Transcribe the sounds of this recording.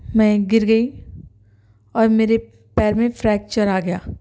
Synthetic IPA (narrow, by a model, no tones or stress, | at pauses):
mɛ̃ːɡɪɾɡɐi | ɔːɾmeːɾe | pɛːɾmẽfɾɛːk̚t͡ʃəɾaɡɐjaː